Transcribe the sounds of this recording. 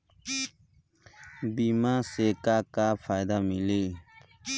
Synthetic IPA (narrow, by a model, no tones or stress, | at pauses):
bimaːsekaːkaːpʰaːjd̪amileː